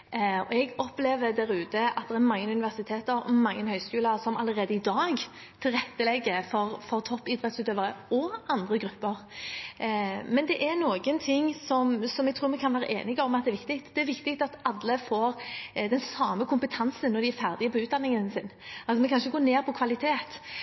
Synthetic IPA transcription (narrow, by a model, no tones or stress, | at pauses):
ɔɛɡɔpleːʋəd̪æɾʉːt̪əɑt̪̚d̪ɛʁɛɾmɑŋːənʉnɪʋæʁsɪt̪ʰeːt̪əɾɔmɑŋːənhœʏskʉːləɾsɔmɑləɾeːd̪əɪd̪ɑːɡ | t̪ʰɪlɾɛt̪ːəlɛɡːəfɔɾfɔʁt̪ʰɔpːɪd̪ʁɛt̪sʉːt̪øːʋəɾəɔɑnd̪ʁəɡɾʉpːəɾ | mɛnd̪ɛʔɛɾnoːɡənt̪ʰɪŋːsɔmsɔmɛɡ̚t̪ɾuːɾmɛkʰɑnʋæːɾəʔḛːnɪɡɑʋɔmɑt̪d̪ɛæɾʋɪkt̪ɪkt̪d̪̥ɛæɾʋɪkt̪ɪk̚t̪ɑt̪ɑlːəfoːɾd̪ɛnsɑːməkʰʊmpət̪ʰɑnsənnːɔɾd̪ɪæɾfæʁd̪ɪəpʰɔʉːt̪d̪ɑnːɪŋənsɪnːɑlsɔmɛnkʰɑnʃəɡoːneːɾpʰɔkʰʋɑlɪt̪ʰeːt̪